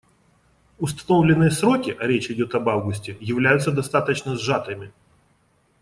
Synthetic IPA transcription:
ʊst̪ɐ̥no̞vlʲɪnːɨjəsɾo̞kʲɪʔɐɾʲet͡ɕɪdʲo̞t̪ɐbavɡʊsʲtʲɪjɪvlʲæjʊt̪səd̪ɐst̪at̪ət͡ɕnəzʐat̪ɨmʲɪ

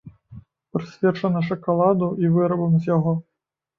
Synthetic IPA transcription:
pɾɨsʲvʲɛt͡ʂɐnɐʂɐkalˠad̪uʔivɨɾɐbɐmzʲjaɣɔ

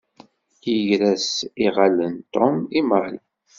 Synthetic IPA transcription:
jəʝɾæsiʁalːənt̪ɔmimal

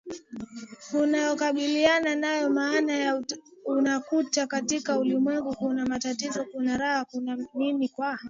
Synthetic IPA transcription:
unajɔkaɓiliananajɔmaːnajaunakutakatikaulimwɛŋɡukunamatatizɔkunaɾahakunaninikwa

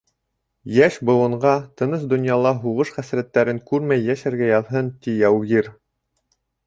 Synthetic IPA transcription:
jæʃbɤ̆wˠɤ̆ɴɢɑt̪ɤ̆nɤsd̪ŏnjɑlˠɑɦuʁɤʃχæsɾæt̪ːæɾɘŋkʉɾmæjːæʃæɾɡæjɑðɦɤnt̪ijæwɣiɾ

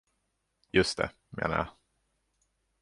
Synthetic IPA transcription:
jɵst̪ɛ̰ | mḛːna̰ja̰

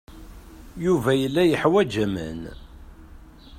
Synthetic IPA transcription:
juvæjəlːæjəħwæd͡ʒæmə̰n

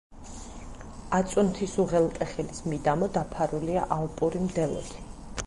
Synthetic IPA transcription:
at̪sʼunt̪ʰisuʁɛlˠt̪ʼɛχɛlismid̪amɔd̪apʰaɾulia̰ʔalˠpʼuɾimd̪ɛlˠɔ̰d̪ʰi

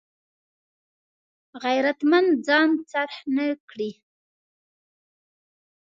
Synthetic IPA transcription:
ɣajɾat̪mand͡zɑnt͡saɾhnəkɽi

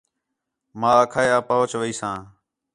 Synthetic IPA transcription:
mãːəkʰaːjaːpəɦʊt͡ʃʋəiːsãː

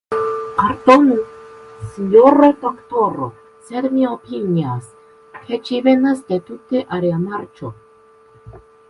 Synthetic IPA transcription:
aɾt̪onusiɲoɾod̪okt̪oɾo | sed̪miopinias | kʰet͡ʃivenasd̪et̪ut̪eʔaɾeamaɾt͡ʃo

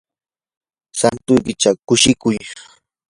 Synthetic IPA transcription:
sant̪ʊjkɪt͡ʃakʊʃɪkʊj

